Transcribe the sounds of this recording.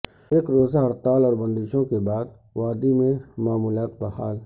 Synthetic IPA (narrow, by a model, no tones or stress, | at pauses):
eːkɾoːzaɦɐɾt̪aːlɔːɾbɐ̃nd̪ɪʃõkebaːd̪̚ | ʋaːd̪imẽmaːmuːlaːt̪̚baɦaːl